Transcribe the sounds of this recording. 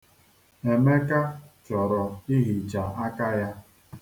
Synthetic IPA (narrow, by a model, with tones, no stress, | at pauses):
e˨me˦ka˦t͡ʃɔ˨ɾɔ˨i˦ɦi˨t͡ʃa˨a˦ka˦ja˦